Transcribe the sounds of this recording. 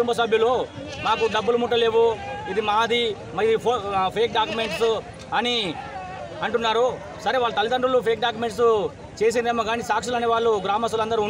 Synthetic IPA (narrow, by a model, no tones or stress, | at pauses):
umbɐs̬ɐbʱjɐloː | maːkud̪ɐbːulumuʈːɐle̞ːʋuid̪imaːd̪i | mɐid̪ipʰopʰeːk̚ɖaːkjume̞ɳʈs | ɐni | ɐɳʈunːaːɾu | sɐɾeːʋaːɭːut̪ɐlid̪ɐɳɖɾulupʰeːk̚ɖaːk̬jume̞ɳʈs | t͡ʃe̞ːs̬ind̪eːmoɡaːnisaːkʂilɐneːʋaːɭːuɡɾaːmɐst̪ɐlɐnd̪ɐɾiun